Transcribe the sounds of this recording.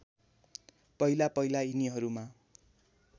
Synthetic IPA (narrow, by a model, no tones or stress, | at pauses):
pʌilapʌjlainiɦʌɾuma